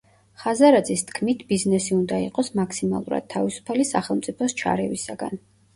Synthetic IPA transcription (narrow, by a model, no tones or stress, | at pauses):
χazaɾad̪zist̪ʰkʰmit̪ʰbiznɛsiund̪aiqʼɔsmakʰsima̰lˠuɾa̰d̪̥̚t̪ʰːavisu̥pʰalisaχɛlˠmt̪sʼipʰɔst͡ʃʰa̰ɾɛvisaɡa̰n